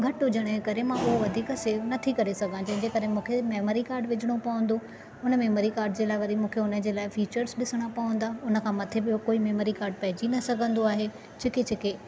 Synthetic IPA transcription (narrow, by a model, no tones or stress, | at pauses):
ɡʱɐʈɦʊd͡ʑəɽ̃ekɐɾemãʊɦoʋɐd̪ʱiːkəseːʋnɐt̪ʰikɐɾesɐɡʱãd͡ʑɐ̃ɦɪ̃d͡ʑekɐɾemũːkʰemeːmoːɾikaːɾɖʋɪd͡ʑʱɪɽ̃opɐʋə̃n̆d̪o | ʊnə̆mẽːmoːɾikaːɾɖd͡ʑeːlaːɪʋɐɾimũːkʰeʊnə̆d͡ʑeːlaːɪfiːt͡ɕəɾzɗɪsəɽ̃apɐʋə̃n̆d̪aʊnə̆kʰãːmɐt̪ʰebɪokoːimeːmoːɾikaːɾɖ̚pɐɦɪd͡ʑinɐsɐɡʱə̃nd̪oaːɦe | d͡ʑʰɪket͡ɕɪke